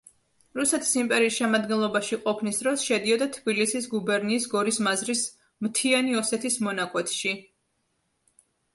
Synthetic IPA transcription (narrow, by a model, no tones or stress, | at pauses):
ɾusɛt̪ʰi̥simpʼɛɾiːsʃɛmad̪ɡɛnlˠɔbaʃiqʼɔpʰnisd̪ɾɔsʃɛd̪iɔd̪at̪ʰbilisisɡubɛɾniːsɡɔɾismazɾis | mt̪ʰianiɔsɛt̪ʰismɔnakʼwɛt̪ʰʃi